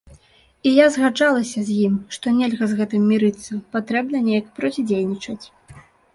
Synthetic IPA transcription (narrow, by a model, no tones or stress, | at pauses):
ijazɣad͡ʐalˠɐsʲɐzʲjimʂt̪ɔnʲelʲɣɐzɣɛt̪ɨmːʲiɾɨt̪sːɐpat̪ɾɛbnɐnʲejɐkpɾɔt͡sʲid͡zʲejnʲit͡ʂɐt͡sʲ